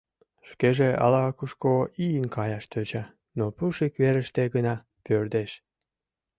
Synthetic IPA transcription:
ʃkeʒeʔɑ̰lɑkuʃkoijənkɑjɑʃt̪øt͡ɕɑ | nopuʃikβeɾəʃt̪eɡənɑ | pørd̪eʃ

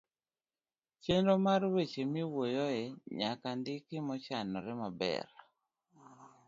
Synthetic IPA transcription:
t͡ʃendomarwet͡ʃemiwojɔɛɲakandɪkɪmɔt͡ʃanɔɾɛmabɛ̰ɾ

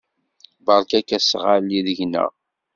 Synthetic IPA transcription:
bəɾˤkækːæsʁalːiðəʝnə̰ʁ

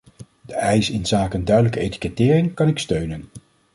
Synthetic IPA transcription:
d̥əʔɛjsɪnzaːkəndœɥdələkəejti̥kɛtɪːrɪŋkɑnɪkstøɥnən

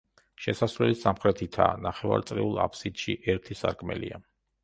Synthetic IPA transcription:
ʃɛsasɾlɛlisamχɾɛt̪ʰit̪ʰa̰ːnaχɛva̰ɾt̪sʼɾḭulˠa̰pʰsid̪̥ʃiʔɛɾt̪ʰisaɾkʰmɛ̰lḭa

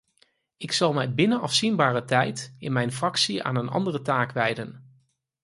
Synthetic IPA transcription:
ɪksɑlˠmɛjbɪnəɑfsinbaːrətɛjtɪnmɛjnfrɑksia̰ːnənʔɑ̰ndərətaːkʋɛjdən

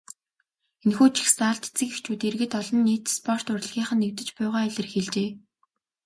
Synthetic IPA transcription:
enxuːt͡ɕʰi̥xsaːɬt̪et͡sɘ̆kext͡ɕʰuːt̪erɣɘ̆t̪ɔɮɞ̆nːiːt̪spʰɔr̥t̪ʊrɮ̆ɣʲiːɴχə̆nːewt̪ɘ̆t͡ɕpæːʁaːɮʲə̆rxeɮt͡ɕeː

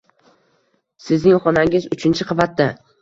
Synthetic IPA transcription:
sɪznɪŋχɒnaŋʲɪzʊt͡ʃʰɪnt͡ʃʰɪqʰɑvat̪ːa

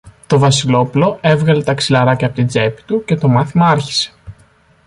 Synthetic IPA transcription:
t̪o̞vɐsilo̞pulo̞e̞vɣɐle̞t̪ɐksilɐɾɐcɐpot̪id͡ze̞pi̥t̪uce̞t̪o̞mɐθimɐɐɾçi̥se̞̥

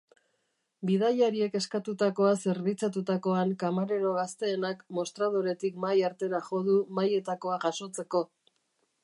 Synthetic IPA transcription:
bið̞aʎaɾie̞ke̞skat̪ut̪ako̞ase̞ɾβit͡sat̪ut̪ako̞aŋkamaɾe̞ɾo̞ɣast̪e̞ːnakmo̞st̪ɾað̞oɾe̞t̪ikmajaɾt̪e̞ɾaʝo̞ð̞umaje̞t̪ako̞aʝaso̞t͡se̞ko̞

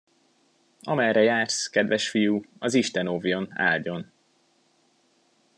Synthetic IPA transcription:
ɒ̰mɛjɾɛjaːrskɛd̪ʋɛʃfijuɒziʃt̪ɛnovjo̞na̰ːlɟo̞n

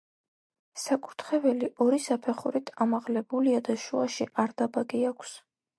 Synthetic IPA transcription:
sakʼut̪ʰχɛbɛliʔɔɾisapʰɛχuɾit̪ʰamaʁlɛbuliad̪aʃuaʃiʔaɾd̪̥abaɡiakʷʰs

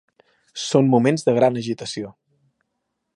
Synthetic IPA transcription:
sonmumenzðəɣ̞ɾanəʒit̪əsio

